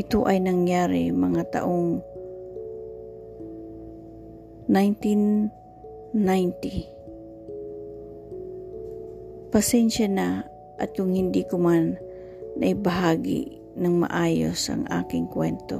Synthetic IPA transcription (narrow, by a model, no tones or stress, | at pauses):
ʔɪt̪oʔɐjnɐŋjaːɾɪ̰mɐŋat̪ɐ̰ʔoŋ | najnt̪in | ajnt̪i | pɐsɛnʃana | ʔɐt̪̚kʊŋhɪnd̪ikʊmanː | ɐʔɪbɐɦaːɡɪ̰ | nɐŋmɐ̰ʔaːjo̰sʔɐ̰ŋʔa̰ːkɪŋkwɛnt̪o̰